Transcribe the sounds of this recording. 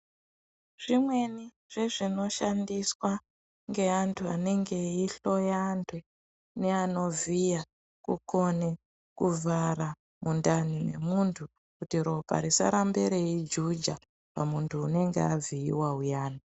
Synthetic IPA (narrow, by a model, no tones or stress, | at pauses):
ʐ̥imwe̞ni | ʐ̥eʐino̞ʃandiswa | ŋɡe̞antʰuane̞ŋɡe̞iɬo̞jandʰwe | ne̞ano̞vija | kuko̞ne̞ | kuvʱaɾa | mundanine̞̰muntʰu | kutiɾo̞pa̰ɾisa̰ɾambeɾeid͡ʒud͡ʒa | pamuntʰuːne̞ŋɡḛaviḭwaujaːna